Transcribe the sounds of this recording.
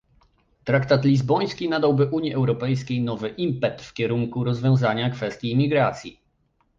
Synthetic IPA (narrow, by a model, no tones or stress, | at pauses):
t̪ɾakt̪at̪lʲizbɔj̃skʲinad̪awbɘʔuɲjiʔɛwɾɔpɛjskʲejnɔvɘʔimpɛt̪fkʲɛɾuŋkuɾɔzvʲjɔ̃w̃zaɲakfɛst̪ʲjiːmʲiɡɾat̪sʲji